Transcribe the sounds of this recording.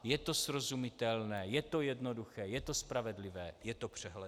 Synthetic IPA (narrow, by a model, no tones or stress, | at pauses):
jɛt̪o̞sɾozumɪt̪ɛlnɛːjɛt̪ojɛdnoduxɛːjɛt̪ospɾavɛdlɪvɛːjɛt̪opr̝̥ɛɦlɛ